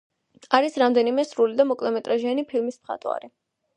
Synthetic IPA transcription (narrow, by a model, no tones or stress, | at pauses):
aɾisɾamd̪ɛnimɛsɾulid̪amɔkʼlɛmɛt̪ʼɾaʒianipʰilˠmismχa̰t̪ʼwa̰ɾi